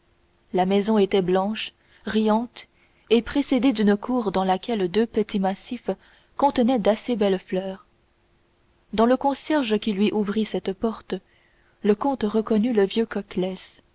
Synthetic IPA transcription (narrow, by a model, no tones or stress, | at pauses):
lamɛzɔ̃et̪ɛblɑ̃ʃ | ʁijɑ̃t̪ | epχesed̪ed̪ynəkʰuːʁd̪ɑ̃lakʲɛld̪øpət̪imasif | kɔ̃t̪ənɛd̪asebɛlflœːʁ | d̪ɑ̃ləkɔ̃sjɛʁʒəkʲilɥiʔuvʁisɛt̪pɔʁt̪ə | ləkɔ̃t̪ʁəkɔnyləvjøkɔklɛs